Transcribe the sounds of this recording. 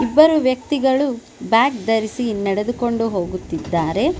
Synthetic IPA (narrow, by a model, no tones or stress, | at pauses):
ibːɐɾuʋjɐk̚t̪iɡɐɭu | bjaːkd̪ɐɾisinɛɽed̪uko̞ɳɖuɦo̞ːɡut̪ːid̪ːaːɾe̞